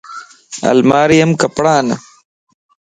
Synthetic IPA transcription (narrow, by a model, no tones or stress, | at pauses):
ɐ̰lmaːɾijɐmkɐpɽaːnɐ̰